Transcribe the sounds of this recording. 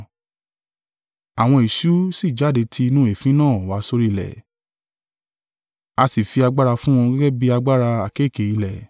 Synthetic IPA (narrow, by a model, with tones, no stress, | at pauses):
a˨w̃ɔ̃˧i˨ʃu˨˦si˦˨d͡ʒa˦˨de˧tʰi˧i˧nũ˦e˦˨fĩ˦nãː˦˨wa˨˦so˦ɾi˦˨lɛ̰˨ | a˧si˨fi˧a˧ɡ͡ba˦ɾa˧fũ˦ɔ̃˧ɡɛ˦ɡɛ˦bi˦a˧ɡ͡ba˦ɾa˧a˨ke˦˨ke˨i˧lɛ˨